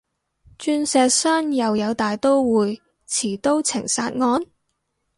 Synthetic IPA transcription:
t͡ʃyː˧nsɛː˧k̚saː˥njɐ˨wjɐ˨˧wt̪aː˨jt̪o˥wwuː˨˧j | t͡sʰiː˨˩t̪o˥wt͡sʰɪ˨˩ŋsaː˧t̚ŋɔː˧n

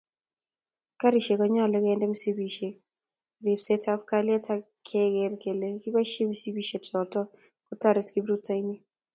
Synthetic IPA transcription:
ka˦ɾi˨ʃe˨kɔ˦ɲa˦˨lɔ˦kɛ˦ndɛ˦mi˦si˦bi˨ʃe˨ | ri˨psɛ˦tʰa˦p̚kalɪɛ˦tʰa˦ | kʰɛ˦ɡɛ˨rke˨le˨ki˦ba˦ʃe˦misi˦bi˦ʃe˨tʰɔ˨tɔ˦ | kɔ˦ta˦ɾɛ˨tki˦bɾu˦ta˦jni˦

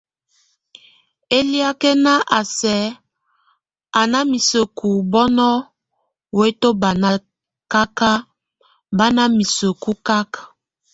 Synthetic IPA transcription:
e˦li˦a˦kɛ˦na˦ʔa˨sɛ˨˦ | a˨na˦mi˨so˨ku˨bɔ˦nɔ˦ | we˦to˦ba˨na˦ | ka˦ka˦ | ba˦na˦mi˨so˨ku˦ka˦ka˨

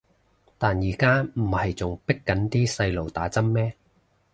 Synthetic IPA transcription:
t̪aː˨njiː˨˩kaː˥m̩˨˩hɐ˨jt͡sʊ˨˩ŋpɪ˥kːɐ˨˥nt̪iː˥sɐ˧jlo˨wt̪aː˨˥t͡sɐ˥mːɛː˥

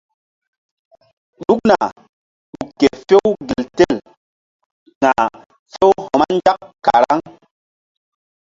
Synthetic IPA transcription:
ɗu˦k̚na˨ | ɓu˨kːe˨fe˦wɡi˨lte˦˨l | ŋa˨ | fe˦who˨ma˦nd͡ʒa˦kkːa˨ɾa̰˦ŋ

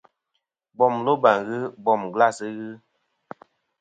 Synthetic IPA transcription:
bɔ˦˨mlo˦ba˨ŋɣɨ˦bɔ˦˨mɡla˦˨sɨ˦ɣɨ˦

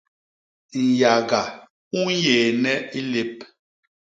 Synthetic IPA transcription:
n˨ja˨ɡa˨ | u˦n˦jeː˨nɛ˦i˦le˦p̚

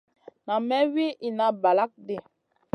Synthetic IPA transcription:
na˨mɛ˦wi˦ʔi˨na˨˦ba˨la˦k̚de˦˨

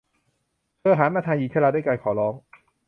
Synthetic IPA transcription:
kʰɯː˧˩ɦaː˩˦maː˧t̪ʰaː˧ŋjiː˨˩t͡ɕʰaː˥˩la˧duː˥˩˨kaː˧jkʰɔː˩˦lɔː˦˥ŋ

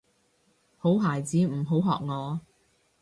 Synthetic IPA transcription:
ho˨˥wɦaː˨˩jt͡siː˨˥m̩˨˩ɦo˨˥wɦɔ̰ː˨k̚ŋɔː˨˧

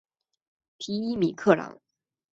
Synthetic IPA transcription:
t̪ʰi˥i˥mi˨˩kʰɤ˥˩lɑ̰˨˧˥ŋ

